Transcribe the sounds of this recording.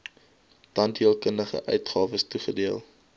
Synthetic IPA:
tɐntiəlˠkəndəχə̰ʔœ̰ɥtχɑːvəstuχədiəlˠ

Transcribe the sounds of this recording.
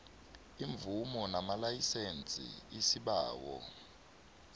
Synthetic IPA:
iɱb̪vumɔnamalajisent͡sʼḭisiɓaːwɔ̰

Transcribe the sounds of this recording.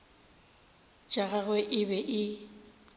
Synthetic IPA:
t͡ʃʼaɣaɣwɛʔɪbɛʔɪ

